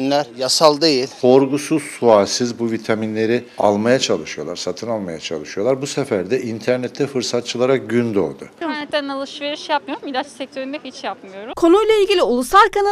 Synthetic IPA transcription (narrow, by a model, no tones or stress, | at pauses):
nlʲæɾjasalˠd̪ejilʲkʰo̞ɾɡusuz̥sualʲsizbuvit̪ʰaminlʲe̞ɾi | a̰lˠmajat͡ʃʰalˠɯʃɯjo̞lˠaɾsat̪ʰɯnalˠmajat͡ʃʰa̰lˠɯʃɯjolˠaɾbusefæɾd̪ɛʔint̪ʰæɾnɛt̪ʰːɛfɯɾsat̪̚t͡ʃʰɯlˠaɾak̚ɟynd̪o̞̰ɾd̪ʊ̰nɛt̪ːɛnalˠɯʃveɾiʃejap̚mɯjoɾumid̪at͡ʃsɛk̚t̪ʰøɾmɛchit͡ʃjapmɯjo̞ɾukʰo̞nujlˠailʲɟilʲiulˠusalkana